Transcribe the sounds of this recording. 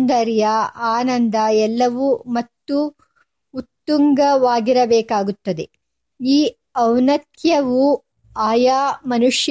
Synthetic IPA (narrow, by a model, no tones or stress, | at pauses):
nd̪ɐɾjɐaːnɐnd̪ɐɛlːɐʋumɐt̪ːu | ut̪ːuŋɡɐʋaːɡiɾɐbɛːkaːɡut̪ːɐd̪e | iː | ɐwnɐt̪jɐʋu | aːjaːmɐnuʂj